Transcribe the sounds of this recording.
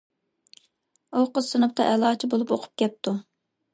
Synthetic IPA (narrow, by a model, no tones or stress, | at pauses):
oqəsɨnɨp̚t̪ʰɑʔɛlˠɑːt͡ʃʰibolˠupoqʰʊ̥p̚kʲɛp̚t̪ʰu